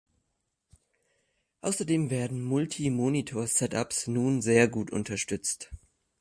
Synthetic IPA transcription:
ʔaʊsɐdeːmveːɐdn̩mʊltʰimoːnitʰoːɐsɛtapsnuːnzeːɐɡuːtʔʊ̰ntɐʃtʏt͡st

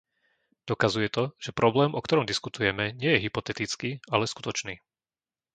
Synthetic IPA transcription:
d̪̥ɔkazujɛt̪ɔʒ̥ɛpɾɔblɛːmʔɔk̚t̪ɔɾɔmd̪iskut̪ujɛmɛɲɪɛjɛɦipɔt̪ɛt̪it͡skiːalɛsku̥t̪ɔt͡ʃniː

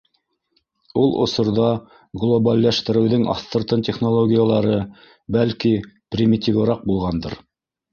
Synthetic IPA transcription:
ulˠʔŏ̰sŏɾðɑ | ɡlˠobɑlʲːæʃt̪ɘ̆ɾɘ̆wðɵŋɑ̰θt̪ɤ̆ɾt̪ɤnt̪ʲeχno̞lˠoɡʲijalˠɑɾɤ | bælkiprʲimʲit̪ʲivɾɑq̚bulˠʁɑnd̪ɤ̰ɾ

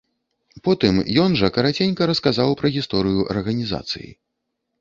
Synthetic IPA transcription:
pɔt̪ɨmjɔnʐɐkɐɾat͡sʲenʲkɐɾɐskazawpɾɐɣʲist̪ɔɾɨjuʔɐ̰rɣɐnʲiza̰t̪sɨ̰jḭ

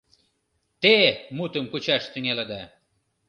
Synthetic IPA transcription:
t̪emut̪ə̆mkut͡ɕæʃt̪yŋʲeled̪æ

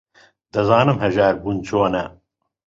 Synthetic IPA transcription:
d̪ɐzɑːnɨmhɐʒaːɾbunt͡ʃʰoːnɐ

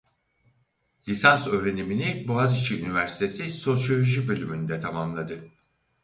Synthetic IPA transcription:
lʲisansø̞ːɾe̞niminiboazit͡ʃʰiynivæɾsi̥t̪ʰe̞siso̞sjo̞lʲo̞ʒibølʲymynyd̪ɛt̪ʰamamlˠad̪ɯ

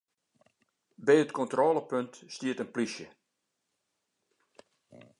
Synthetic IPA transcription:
bɛːətkɔntrɔːləpøntstiətənplisjə

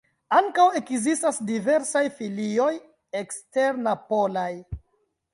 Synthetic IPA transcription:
aŋkawe̞kzistasdive̞ɾsajfilio̞j | ekste̞ɾnapo̞laj

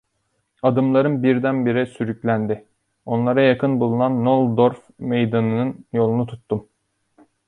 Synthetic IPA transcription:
ad̪ɯmlˠaɾɯnbiɾd̪ænbiɾɛsyɾyclʲænd̪ɪ | o̞nlˠaɾajakʰɯnbulˠunanːolˠd̪oɾf | me̞jd̪anɯnɯnjo̞lˠunut̪ʰut̪ːum

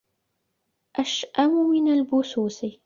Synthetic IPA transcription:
ʔaʃʔamʊmɪnalbʊsuːsi

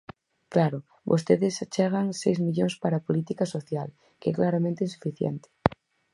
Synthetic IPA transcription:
klaɾo | bo̰st̪eðest͡ʃeɣ̞aŋsejzmiʎoŋspaɾapolit̪ikasoθjal | keeklaɾamẽnt̪einsu̥fiθjḛnt̪e̥

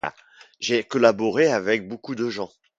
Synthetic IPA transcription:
a̰ | ʒekɔlabɔʁeavɛk̚bokud̪əʒɑ̃

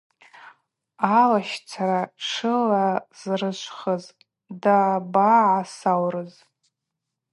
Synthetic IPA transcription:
alaʃt͡sʰaɾaʈ͡ʂʰɨlaz̥rɨʃʷʰʼχəz | dabaʕasawrɨz

